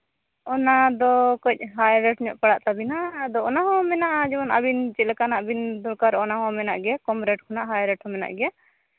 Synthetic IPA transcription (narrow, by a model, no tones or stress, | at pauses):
ɔnad̪ɔkəc̚ˀɦajɾɛʈɲɔʔpaɽaʔt̪abinad̪ɔɔnaɦɔ̃mɛnaʔad͡ʒɔɔna̰bint͡ʃɛlɛkanaʔbind̪ɔɾkaɾʔɔnaɦɔ̃mɛnaʔɡɛɛkɔmɾɛʈ̚kʰɔnaʔɦajɾɛʈhɔ̃mɛna̰ʔɡɛa